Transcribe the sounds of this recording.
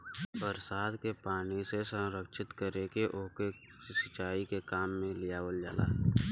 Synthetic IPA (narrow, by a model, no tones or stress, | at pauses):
pəɾsaːd̪kepaːɽisesə̃ɾəkʃɪt̪kəɾekeʔʊɦkesɪt͡ʃaːikekaːmːẽlɪjaːwəld͡ʒa̰ːla̰ː